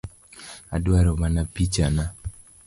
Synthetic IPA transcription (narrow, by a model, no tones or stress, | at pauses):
adwaɾɔmanapit͡ʃana